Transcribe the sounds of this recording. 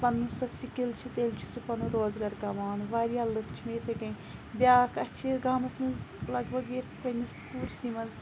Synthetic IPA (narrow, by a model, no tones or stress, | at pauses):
pɐnːusɐsikilt͡ʃʰit̪eːlʲt͡ʃʰi̥supɐnuɾoːzɡɐɾkɐmaːnʋaːɾialɨkʰt͡ʃʰimeːt̪ʰɐkɐj | bʲjaːkʰɐt͡ʃʰiɡaːmɐsmɐzlɐɡbɐɡet̪ʰkɐnispuːɾsimɐnz